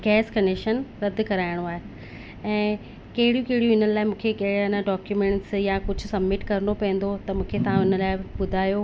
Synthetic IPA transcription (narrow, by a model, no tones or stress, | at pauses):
ɡɛːskɐnekʃənɾɐd̪kɐɾaːɪɽ̃oaːɦe | ɛ̃ː | kɐɦɪɽijũkɐɦɪɽijũɪnənɪlaːɪmũːkʰekɐɐnəɖɔːkjumẽːɳʈsjakʊd͡ʑʱʊsɐbmɪʈkɐɾnopɛ̃ːn̆d̪ot̪ɐmũːkʰet̪ɐʋ̤ãɪnə̆laːɪɓʊd̪ʱaːjo